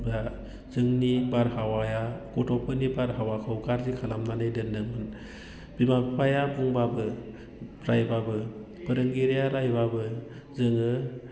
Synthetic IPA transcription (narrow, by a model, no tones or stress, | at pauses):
bɾa | zɯŋnibaɾhawajaɡɔtʰɔpʰɯnibaɾɦawakʰawɡaɾzikʰalamnanɯjdɯndɯŋmɯn | bimapʰajabuŋbabɯ | ɾajbabɯ | b̥ɯɾɯŋɡiɾijaɾajbabɯ | zɯŋɯ